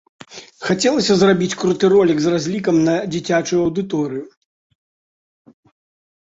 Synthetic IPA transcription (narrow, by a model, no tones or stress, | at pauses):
xat͡sʲɛlˠɐsʲɐzrabʲit͡sʲkɾut̪ɨɾɔlʲikzrazʲlʲikɐmnɐd͡zʲit͡sʲat͡ʂujuɐwd̪ɨt̪ɔɾɨju